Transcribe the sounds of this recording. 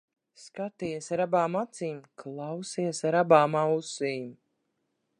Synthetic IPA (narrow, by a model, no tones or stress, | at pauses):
skat̪iɛsaɾabaːmat̪siːmklˠawsiɛsaɾabaːmawsiːm